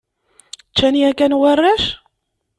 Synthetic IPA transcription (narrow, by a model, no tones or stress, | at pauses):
t͡ʃːæniækænwarˤːæʃ